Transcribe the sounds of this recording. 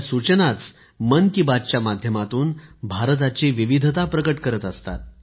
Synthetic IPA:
sut͡ɕnat͡s | mənkibad̪t͡ɕjamad̪ʱjəmat̪uːnbʱaɾt̪̬at͡ɕiʋiʋid̪ʱt̪apɾəkəʈkəɾət̪əst̪a̰t̪̚

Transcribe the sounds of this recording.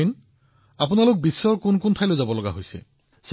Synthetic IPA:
in | apunalʊk̚bisːɔɹkʊnkʊntʰajlojzabɔlɔɡa̰ɦojsɛ̰ | s

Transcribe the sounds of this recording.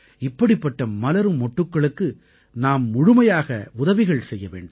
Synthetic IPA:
ɪpːɐɽɪpːɐʈːɐmɐlɐɾɯmːɔʈːɯkːɐɭɯkːɯ | naːmːʊɻʊmɐjaːɣɐʊðɐʋɪɣɐɭsɛjːɐʋḛːɳɖɯ

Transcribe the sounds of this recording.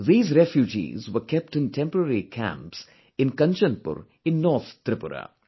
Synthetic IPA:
ðiːzɾɛfjud͡ʒḭːzʋəkɛp̚ʈɪ̃nʈʰɛ̃mpəɾəɾikʰæ̰̃mps | ɪ̃nkɐ̃nt͡ʃə̃npʊ̰ɾ | ɪ̃nːɔːɾt̪ʰt̪ɾɪpʊɾa̰

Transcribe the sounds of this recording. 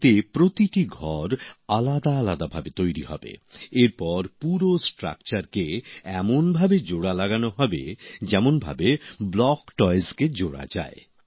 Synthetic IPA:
t̪epɾot̪iʈiɡʱɔɾalad̪aalad̪abʱabet̪ojɾihɔ̰bḛeɾpɔɾpuɾosʈɾa̰k̚t͡ɕaɾkeɛmonbʱabed͡ʑoɽalaɡanoɦɔbḛd͡ʑɛmonbʱa̰beblɔkʈɔjzked͡ʑoɽa̰d͡ʑa̰e

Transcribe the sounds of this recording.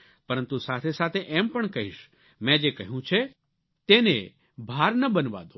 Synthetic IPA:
pəɾə̃nt̪usat̪ʰesat̪ʰeʔɛmpəɳkəɦiʃ | mɛ̃d͡ʒekəɦijũt͡ʃʰe | t̪ene | bʱaɾnəbənʋa̰d̪o

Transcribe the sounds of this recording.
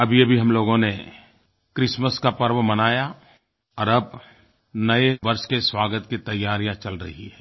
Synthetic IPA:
ɐbʱiɐbʱiɦɐmloːɡõne | kɾɪsməskapɐɾwmɐnaːja | ɔːɾɐb̚ | nɐeʋɐɾʃkeswaːɡət̪kit̪ɐjːaːɾijãt͡ʃɐlɾɐɦiɦɛː

